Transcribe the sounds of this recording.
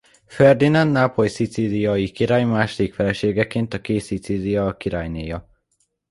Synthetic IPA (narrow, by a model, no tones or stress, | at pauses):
fɛrd̪inanːapo̞jsit̪siːlijɒjikiɾaːjmaːʃod̪ikfɛlɛʃeːɡɛkeːnt̪ɒkeːt̪sit̪siːlijɒkiɾaːjneːjɒ